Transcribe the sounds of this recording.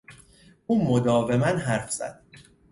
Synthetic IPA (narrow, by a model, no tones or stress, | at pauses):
ʔuːmod̪ɒːve̞mænɦæɾfz̥æ̰d̪̥̚